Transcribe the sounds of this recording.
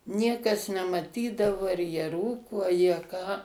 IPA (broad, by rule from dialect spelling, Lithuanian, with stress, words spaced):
ˈnʲiɛkɐs nʲɛmɐˈtʲiːdɐʋoː ɐr jiɛ ˈruːkoː ɐ jiɛ ˈkɑː